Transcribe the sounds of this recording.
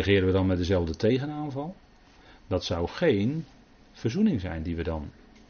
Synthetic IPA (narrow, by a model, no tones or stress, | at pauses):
əχɪːɾəʋədɔnmɛdəzɛlˠvdətʰejɣənaːnvɑlˠ | dɔtsawχejn | fərzunɪŋzɛ̰jndiʋədɔn